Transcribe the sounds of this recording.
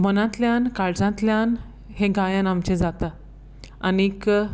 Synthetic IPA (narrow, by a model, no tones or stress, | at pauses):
mənãt̪ljãnkaɾd͡zãt̪ljãn | hẽɡajãnamt͡ɕed͡zat̪a | anik